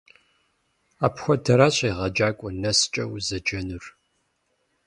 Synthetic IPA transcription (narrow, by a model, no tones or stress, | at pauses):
aːpxʷɔdʰɐɾaːɕʼejʁɐd͡ʒaːkʷʼɔnɐst͡ʃʼɐ̰wzɐd͡ʒɐnɨr